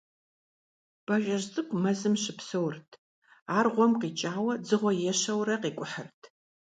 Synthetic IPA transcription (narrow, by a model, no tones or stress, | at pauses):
b̥ɐʒɐʒt͡sʼɨkʷʼmɐzɨmɕɪpsɨwrtʰ | aːrʁʷɔmqiːt͡ʃʼaːwɐd͡zɨʁʷɔjɛʃɐwrɐqiːkʷʼʊħərtʰ